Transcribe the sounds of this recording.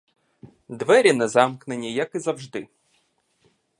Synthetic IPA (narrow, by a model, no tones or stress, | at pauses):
d̪ʋɛɾʲinɛzɑmknenʲːijɐkizɐwʐd̪ɪ